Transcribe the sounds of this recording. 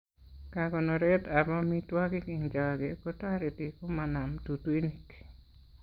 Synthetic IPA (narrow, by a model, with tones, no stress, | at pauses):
kaɡɔ˨nɔ˨ɾɛtaba˦mi˦twa˦kɪ˦ki˨ŋd͡ʒa˨ɡeko˦ta˦ɾe˨ti˨ko˦mana˨mtu˨ti˦nik